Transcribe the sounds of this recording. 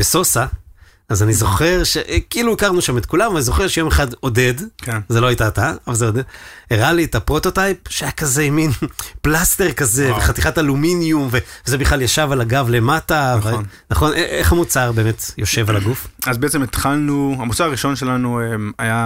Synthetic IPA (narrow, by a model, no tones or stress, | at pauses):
b̥eso̞saː | zanizo̞χe̞ʁʃeʔkiiluikaʁnuʃamet̪̚kulamvanizo̞χeʁʃejo̞meχado̞de̞dkʰenzelo̞ajitataavalzeodedeʁalietapʁo̞to̞tajp̚ʃeajakaze̞minplaste̞ʁkaze̞veχat̪iχataluminjumve̞vezebiχlaljaʃavalaɡavle̞matavn | naχo̞nʔeeχamut͡saʁbe̞ːme̞t̪jo̞ʃe̞valaɡufazbeet͡semet̪χalnuamut͡saʁaʁiʃo̞nʃelanuemaja